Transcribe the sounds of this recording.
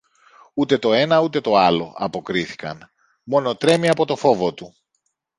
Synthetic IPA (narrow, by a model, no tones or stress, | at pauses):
ut̪e̞t̪o̞e̞nɐut̪e̞t̪o̞ɐlo̞̰ɐpo̞kɾiθi̥kɐ̰n | mo̞no̞t̪ɾe̞miɐpo̞t̪o̞fo̞vo̞t̪u